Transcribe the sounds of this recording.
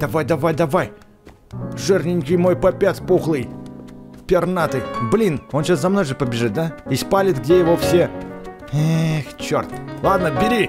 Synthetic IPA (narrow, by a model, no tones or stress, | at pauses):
d̪̥ɐvajd̪ɐvajd̪ɐvaj | ʐɨrnʲɪŋʲkʲɪjmo̞jpɐpʲat̪ʲpuxlˠɨj | pʲɪrnat̪ɨjblʲino̞nɕaszɐmno̞jʐɨpəbʲɪʐɨt̪̚d̪aispalʲɪt̪ɡdʲejɪvo̞fsʲe | ext͡ɕːo̰rt̪lˠad̪nəbʲɪɾʲi